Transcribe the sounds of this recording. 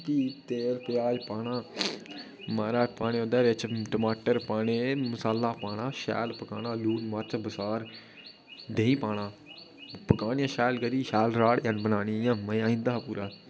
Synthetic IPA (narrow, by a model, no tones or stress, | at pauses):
kiːt̪eːlpɪjaːd͡ʒpaːnaː | maːɾaːd͡ʒpaːneːõnd̪aːɾet͡ʃʈəmaːʈəɾpaːneːmʊsaːlːaːpaːñãːʃɛ̰ːlpəkaːnãːluːʈmaːt͡ʃbəsaːɾ | d̪eːĩːpaːɽãː | pəkaːnjãːʃɛːlɡəɾiːʃɛːlɾaːɽjãnbənaːniːjãːməjãːĩːnd̪aːpuːɾaː